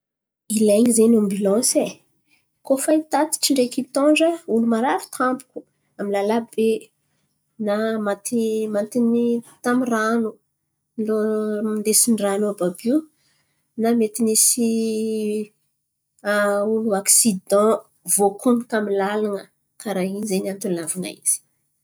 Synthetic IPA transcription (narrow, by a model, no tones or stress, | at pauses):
ilajŋizenãmbilɑ̃se | kofait̪at̪i̥ʈ͡ʂiɳɖ͡ʐekit̪ɔ̃ɳɖ͡ʐəulumaɾaɾi̥t̪ãmpu̥ku̥ | amilalabe | namat̪imant̪init̪amiranu | loilesiniranababi | namet̪inisi | uluaksid̪ɑ̃ | vokʰunikamilalanə | kaɾaɦinzenant̪ulnavuna̰ḭz̥i̥